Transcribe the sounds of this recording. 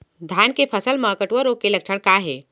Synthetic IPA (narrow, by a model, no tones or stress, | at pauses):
d̪ʱaːnkepʰəsəlmaːkəʈʋəɾokelɐkʃʰəɽkaɦeː